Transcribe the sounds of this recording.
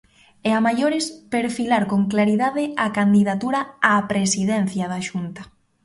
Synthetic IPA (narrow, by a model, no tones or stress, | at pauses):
ɛamajoɾɪspeɾfilaɾkoŋklaɾiðaðɪakand̪iðat̪uɾaaːpɾesiðɛn̟θjaðaʃunt̪ɐ̥